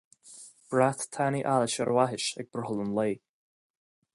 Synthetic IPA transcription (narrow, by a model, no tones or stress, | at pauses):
b̥ɹaθt̪ʰaniʔaləʃə̰ɾʔwaɦɪʃɛ̰ɡ̚b̥ɾəhəlˠənleː